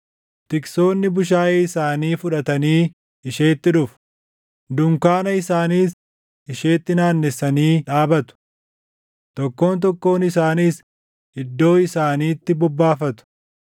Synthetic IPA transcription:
t̪ɪkso̞ːnːɪbʊʃ̬aːjeːɪsaːniːfʊᶑɐt̪ɐniː | ɪʃeːt̪ːɪᶑʊf | d̪ʊŋkaːnɐɪsaːniːs | ɪʃe̞ːt̪ːɪnaːnːɛsːɐniːᶑaːbɐt̪ʊ̥ | t̪ɔkːo̞ːnt̪̬ɔkːo̞ːnɪsaːniːs | ɪd̪ːo̞ːɪsaːniːt̪ːɪbɔbːaːfɐt̪ʊ̥

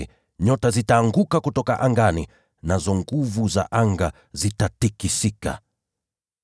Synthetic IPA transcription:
ɲɔtazitaːŋɡukakutɔkaʔaŋɡanḭ | nazɔŋɡuvuza̰ʔaŋɡa | zitatikisika̰

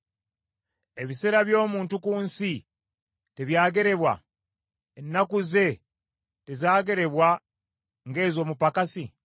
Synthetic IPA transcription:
e̞βiseɾaβjo̞ːmuːntukuːnsi | teβjaːɡe̞ɾe̞βwa̰ | enːakuze̞ | tezaːɡe̞ɾe̞βwa | ŋɡe̞ːzo̞ːmupakasi

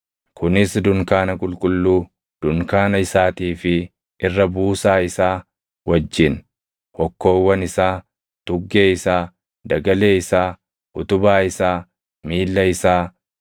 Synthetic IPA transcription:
kʰʊnɪsd̪ʊŋkaːnɐkʼʊlkʼʊlːuː | d̪̥ʊŋkaːnɐɪsaːt̪iːfɪ | ʔɪrːɐbuːsaːɪsaː | wɐd͡ʒːɪn | hɔkːo̞ːwːɐnɪsaː | t̪ʊɡːe̞ːɪsaː | d̪ɐɡɐle̞ːɪsaː | ʔʊt̪ʊbaːɪsaː | miːlːɐɪsaː

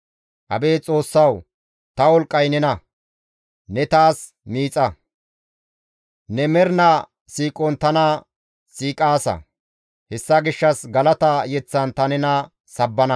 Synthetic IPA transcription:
ʔɐ̰beːt͡sʼo̞ːsːɐw | t̪ɐwɔlkʼːɐjnɛnɐ | nɛt̪aːs | miːt͡sʼɐ | nɛmɛɾnɐ | siːkʼɔnt̪ɐnɐ | siːkʼaːsɐ̰ | hɛsːɐɡɪʃːɐsɡɐlɐt̪ɐjɛt͡sːɐnt̪ɐnɛnɐ | sɐbːɐnɐ

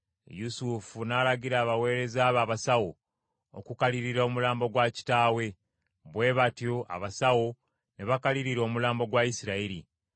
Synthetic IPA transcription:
jusufunaːlaɟiɾaːβawe̞ːɾe̞zaːβaːβasawo | o̰kukaliɾiɾomulaːmbo̞ɡwaci̥taːwe̞ | βwe̞ːβatjo̞ʔa̰βasawo̞ | ne̞βakaliɾiɾo̞ːmulaːmbo̞ɡwaisiɾaiɾḭ

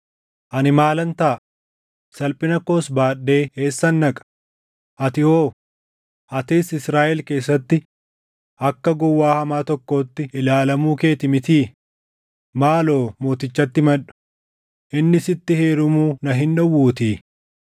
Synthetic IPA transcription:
ʔɐnɪmaːlɐnt̪ɐ | sɐlpʼɪnɐko̞ːsbaːɗːe̞ːe̞ːsːɐnːɐkʼɐ̥ | ʔɐt̪ɪhoː | ʔɐt̪iːsɪsɾaːʔɛlke̞ːsːɐt̪ːɪ | ʔɐkːɐɡɔwːaːhɐmaːt̪ɔkːo̞ːt̪ːɪɪlaːlɐmuːke̞ːt̪ɪmɪt̪iː | maːlo̞ːmo̞ːt̪ɪt͡ʃːɐt̪ːɪmɐᶑʊ̥ | ʔɪnːɪsɪt̪ːɪheːɾʊmuːnɐɦɪnᶑɐwːuːt̪iː

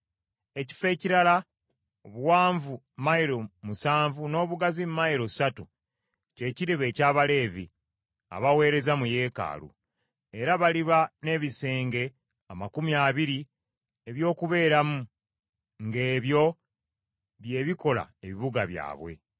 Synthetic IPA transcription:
e̞ci̥fe̞ːciɾala | oβuwaːɱvu | maiɾomusaːɱvuno̞ːβuɡazimmaiɾo̞satu | ce̞ːciɾeβe̞ːcaːβale̞ːvḭ | a̰βawe̞ːɾe̞zamuje̞ːka̰ːlṵ | e̞ɾaβaliβane̞ːβise̞ːŋɡe̞ | amakumiaːβiɾi | eβjo̞ːkuβe̞ːɾamu | ŋɡe̞ːβjo̞ | βje̞ːβiko̞la̰eβiβuɡa̰βja̰ːβwe̞̰

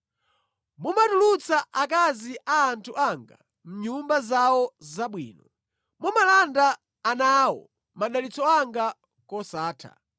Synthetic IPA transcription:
mumatulut͡saʔakaziʔaːntʰuʔaŋɡa̰ | m̩ɲumbazawɔzaɓwḭːnɔ | mumalandaː | naːwɔ̰ | maɗalit͡sɔaŋɡa | kɔsaːtʰa̰

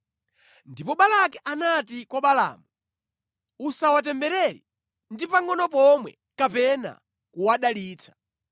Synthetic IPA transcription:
ndipɔɓalakɛʔanatikwɔɓala̰ːmu | usawat̬ɛmbɛɾɛɾḭ | ndipaŋɡɔnɔp̬ɔmwɛ̰ | kapɛna̰ | kuwaɗaliːt͡sʰḁ

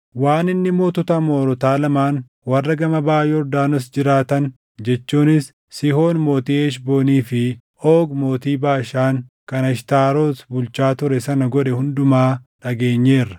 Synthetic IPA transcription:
waːnɪnːɪmoːt̪ʊt̪ɐmoːɾɔt̪aːlɐmaːn | wɐrːɐɡɐmɐbaːjɔɾd̪aːnɔsd͡ʒɪɾaːt̪ɐn | d͡ʒɛt͡ʃːuːnɪs | sɪho̞ːnmo̞ːt̪iːeːʃ̬bo̞ːniːfɪ | oːɡmo̞ːt̪iːbaːʃaːŋkɐnɐʃt̪aːɾo̞ːsbʊlt͡ʃaːt̪ʊɾɛsɐnɐɡɔᶑɛhʊnd̪ʊmaːᶑɐɡe̞ːɲːe̞ːrːɐ̥

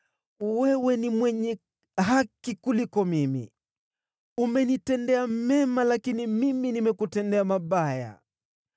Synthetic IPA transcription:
wɛwɛnimwɛɲɛ | ɦakikulikɔmimḭ | umɛnitɛndɛamɛmalakinimiminimɛkutɛndɛamaɓaja̰

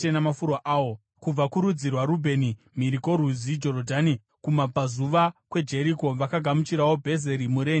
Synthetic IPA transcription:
enamafuɾwaʔaːwo | kub͡vakuɾud͡zirwaɾubʱe̞ni | miɾiko̞ɾwuzid͡ʒo̞ɾodʱani | kumapazuʋakwe̞d͡ʒe̞ɾiko̞ʋakaɡʱamut͡ʃiɾawo̞bʱe̞ze̞ɾimuɾeː

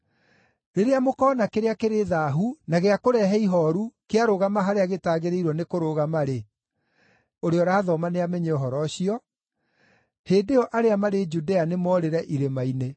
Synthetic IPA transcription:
ɾeɾeamokɔːnakeɾeakeɾeðaːɦunaɣeakoɾɛɦɛiɦɔɾukeaɾoɣamaɦaɾeaɣetaːɣeɾeiɾwɔnekoɾoɣamaɾe | oɾeɔɾaːðɔmaneamɛɲeoɦɔɾɔɕiɔ | heːdeɔʔaɾeamaɾed͡ʒudeanemɔɾeɾɛʔiɾemaine

